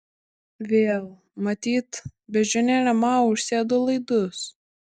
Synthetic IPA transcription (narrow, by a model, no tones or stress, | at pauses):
ʋʲeːlˠ | mɐt̪ʲiːt̪bʲɛʒʲʊnʲɛɾʲɐmɑʊʃʲsʲeːd̪olˠɐɪd̪ʊs